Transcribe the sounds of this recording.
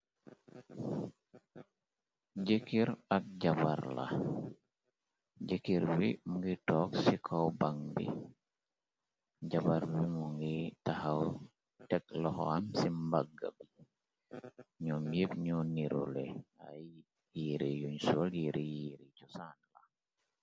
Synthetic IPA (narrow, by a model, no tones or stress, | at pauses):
ɟekiɾak̚ɟaba̰ɾla̰ | ɟekiɾbimuŋɡitɔksikʰɔwbaŋbḭ | ɟabaɾvimuŋɡitahaw | tɛk̚lɔhɔ̰amsimbaɡa̰bi | ɲɔmjibɲɔniɾṵlɛa̰j | jiɾijuɲsɔljiɾijiɾicusanla